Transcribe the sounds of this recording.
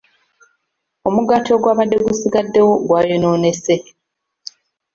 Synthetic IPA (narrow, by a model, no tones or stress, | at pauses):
o̞muɡatʰo̞ɡwaːβadːe̞ɡusiɡadːe̞wo̞ɡwaːjonoːne̞se̞